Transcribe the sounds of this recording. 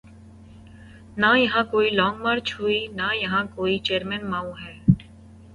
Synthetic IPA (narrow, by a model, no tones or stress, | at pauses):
najɐɦãkoːilɔ̃ːŋɡmaːɾt͡ʃʰɦuinajɐɦãkoːit͡ʃeːəɾmɛnmaːũɦɛː